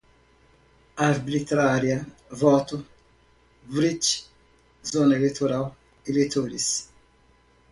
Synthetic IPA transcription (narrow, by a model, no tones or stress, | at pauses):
aɾbit̪ɾaɾjɐ | vɔt̪u | vɾit͡ʃ | zonɐelet̪oɾaw | elet̪ʰoɾis